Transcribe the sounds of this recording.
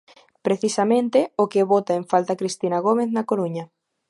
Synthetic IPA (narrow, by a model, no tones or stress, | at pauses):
pɾeθisɐmẽnt̪ɪokeβot̪aeɱfalt̪akɾist̪inaɣomeθnɐkoɾuɲɐ